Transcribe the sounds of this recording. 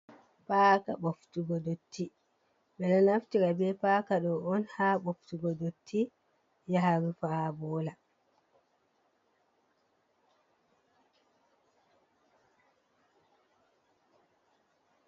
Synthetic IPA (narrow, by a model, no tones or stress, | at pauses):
paːka̰ɓoftuɡɔdotʰːi | ɓɛnɔnaftiɾabɛpaːkaɗɔɔnhaːɓoftuɡɔdotʰːi | jaɦaɾufabɔːla